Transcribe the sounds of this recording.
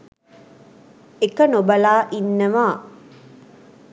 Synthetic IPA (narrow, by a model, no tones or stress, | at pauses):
ekɐnobɐlaːʔinːɐʋaː